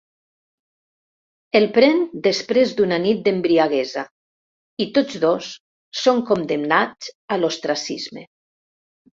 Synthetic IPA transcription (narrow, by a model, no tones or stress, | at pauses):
elˠpɾɛnd̪espɾezd̪unanit̪̚d̪embɾiaɣɛza | it̪od͡zðosː | oŋkond̪emnat͡salost̪ɾasḭzmḛ